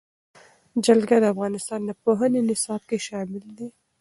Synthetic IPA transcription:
d͡ʒalɡad̪əafɣɑnɪst̪ɑnd̪əpoɦənenɪsɑb̚keʃɑmɪld̪i

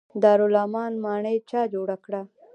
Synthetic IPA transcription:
d̪ɑːɾʊlɑːmɑnmɑɳət͡ʃɑd͡ʒoɽakɽa

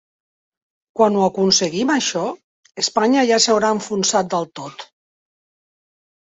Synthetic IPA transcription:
kwanuakunsəɣimaʃɔ | əspaɲaʒasawɾaəɱfunsat̪̚d̪əlˠt̪ot̪

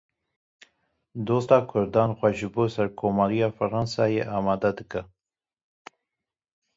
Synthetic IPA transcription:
d̪oːst̪ɑːkʰʊɾd̪ɑːnxwaʒɨboːsɐɾkʰoːmɑɾijɑːfɐɾɑnsɑːjeʔɑːmɑːd̪ad̪ɨkə

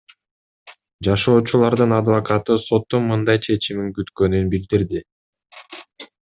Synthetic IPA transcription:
d͡ʒɑʃo̞ːt͡ʃulˠɑɾd̪ɯnɑd̪vɐkɑt̪ɯso̞t̪ːunmɯnd̪ɑjt͡ʃʰe̞t͡ʃimiŋkyt̪kø̞nynbild̪iɾd̪i

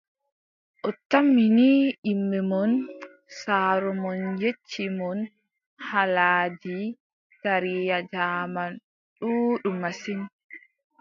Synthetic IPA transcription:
ʔɔtːamːiniʔimːɛmɔn | saːɾɔmɔnjet͡ʃːimɔn | halaːdi | taɾijad͡ʒaːman | ɗuːɗumasin

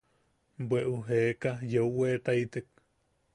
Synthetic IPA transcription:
bweʔuɦeːkajeuweːt̪ajt̪ek̚

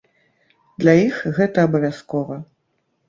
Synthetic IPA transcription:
d̪lʲajixɣɛt̪ɐːbɐvʲaskɔvɐ

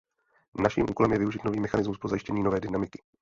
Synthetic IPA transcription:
naʃḭːmʔuːko̞lɛmjɛvɪuʒɪt̪no̞viːmɛxanɪzmuspɾozajɪʃcɛɲiːno̞vɛːdɪnamɪkɪ̥

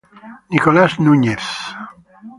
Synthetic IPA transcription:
nikolasnuɲeθ

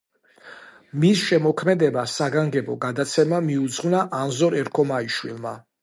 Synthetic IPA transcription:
misʃɛmɔkʰmɛd̪ɛbasaɡaŋɡɛbɔɡad̪at̪sʰɛmamiud̪zʁvnaʔanzɔɾɛɾkʰɔmaiʃwilˠma

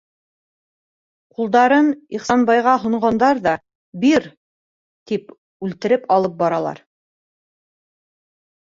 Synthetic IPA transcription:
qulˠd̪ɑɾɤniχsɑnbɑjʁɑɦŏɴɢɑnd̪ɑɾðɑ | biɾ | t̪ip | ʉlt̪ɘ̆ɾɘpɑlˠɤp̚bɑɾɑlˠɑ̰ɾ

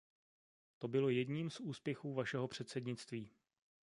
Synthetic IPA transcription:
t̪o̞bɪlo̞jɛdɲiːmsʔuːspjɛxuːvaʃɛɦo̞pr̝̥ɛt̪sɛdɲɪt͡st̪viː

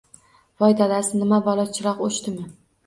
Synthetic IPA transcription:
vɒjd̪ʰalasnɪmabɒlˠɒt͡ʃʰɪɾɒqoʃt̪ɪmɪ

